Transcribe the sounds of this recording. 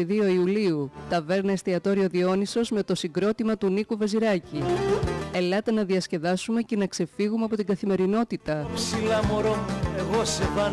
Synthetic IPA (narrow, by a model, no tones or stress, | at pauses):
iðio̞iuliut̪ɐve̞ɾnɐest̪iɐt̪o̞ɾio̞ðio̞niso̞zme̞t̪o̞siɡɾo̞t̪imɐt̪unikuveziɾɐci | e̞lɐt̪enɐðiɐsce̞ðɐsume̞ce̞nɐkse̞fiɣumeɐpo̞t̪iŋɡɐθime̞ɾino̞t̪it̪ɐpsilɐmoɾoeɣo̞sevɐ